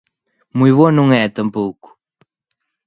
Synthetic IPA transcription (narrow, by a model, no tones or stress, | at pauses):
mujβonũŋɛt̪ɐ̃mpowku̥